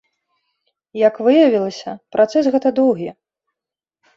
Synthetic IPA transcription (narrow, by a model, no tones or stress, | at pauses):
jɐkvɨjɐvʲilˠɐsʲɐpɾat̪sɛsɣɛt̪ɐd̪ɔwɣʲi